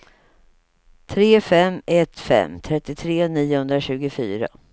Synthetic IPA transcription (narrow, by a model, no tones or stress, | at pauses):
t̪ʰɾeːfɛmɛt̪ːfɛ̰mːt̪ʰɾɛt̪ːɪt̪ʰɾeːniːʊhɵnd̪ɾaɕʉ̟ːɡʊfyːɾa̰